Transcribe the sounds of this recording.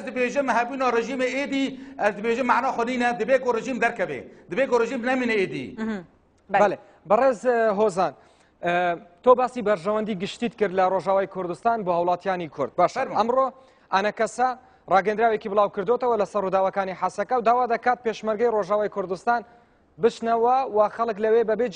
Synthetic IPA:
zd̪ɨbeːʒɪmɦɛbunɑːreʒiːmeʔeːd̪iːʔæzd̪ɨbeːʒɪmːaʕnɑːxʷɔniːnɛd̪ɨbeːɡoːreʒiːmd̪ɛɾkɛbḛd̪ɨbeːɡoːreʒiːmnɛmiːnɛeːd̪ḭː | bɐle | bɨreːzɦozaːn | t̪obaːsibɐɾʒɐwɐnd̪iɡɨʃt̪iːt̪kɨɾd̪lɐroʒaːwaːjkʰʊɾd̪ɨst̪aːnboːhɐwlˠaːt̪ijaːnikʰʊɾd̪̚baːʃɐmro | ʔanɐkɐsɐ | rɑːɡɐend̪ɾaːwjekiblˠaːwkɨɾd̪ot̪ɐwɐlɐsɐɾrud̪aːwɐkaːniħasɐkɐwd̪aːwaːd̪ɐkaːt̪̚peʃmɐɾɡɐjroːʒaːwaːjkʰʊɾd̪ɨst̪aːn | bɨt͡ʃnɐwɐwɐxɐlˠɨklɐweːbɐbe

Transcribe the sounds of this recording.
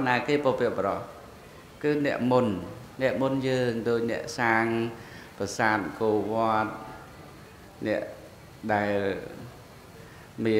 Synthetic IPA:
naːkeːpopiəp̚ɓəɾɑh | kɨːnɛ̰̆əʔmun | nɛ̆əʔmunjəːŋɗoːc̚nɛ̆əʔsaːŋ | pasaːt̪̚koːʋŏət̪̚ | nɛ̆əʔ | ɗaɛl | miə

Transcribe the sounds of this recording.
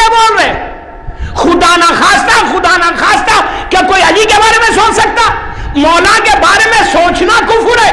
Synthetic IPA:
eboːlɾɛ | xʊd̪anaxaːst̪axʊd̪anaxaːst̪akekoːiɐlikebaːɾemẽsoːt͡ʃsɐk̚t̪aː | mɔːlãkebaːɾemẽsoːt͡ʃnakʊfʊɾɛː

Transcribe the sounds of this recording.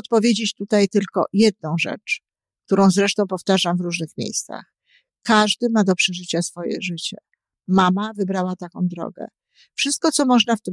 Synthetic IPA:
ɔt̪pɔvʲjed͡ʑet͡ɕt̪ut̪ajt̪ɘlkɔ̰jɛd̪̚nɔ̃w̃ʐɛ̰t͡ʂ | k̚t̪uɾɔ̃w̃zɾɛʂt̪ɔ̃w̃pɔft̪aʐamvɾuʐnɘxmʲjḛjst̪sa̰x | kaʐd̪ɘmad̪ɔpʂɛʐɘt͡ɕasfɔjɛ̰ʐɘt͡ɕɛ | mamavɘbɾawat̪akɔ̃w̃d̪ɾɔ̰ɡɛ̰ | fʂɘst̪̚kɔt̪sɔmɔʐnaft̪ɘ

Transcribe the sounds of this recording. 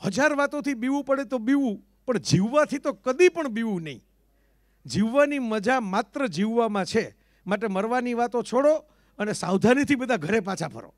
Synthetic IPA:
həd͡ʒaɾʋat̪õt̪ʰibiʋũpəɽet̪obiʋũ | pəɳd͡ʒiʋːat̪ʰit̪okəd̪ipəɳbiʋũnəɦḭ̃ | d͡ʒiʋːaniməd͡ʒamat̪ɾəd͡ʒiʋːamãt͡ʃʰe | maʈ̬eməɾʋaniʋat̪ot͡ʃʰoɽo | ənesawd̪ʱanit̪ʰibəd̪ʱaɡʱəɾepãt͡ʃʰapʰə̰ɾo̰

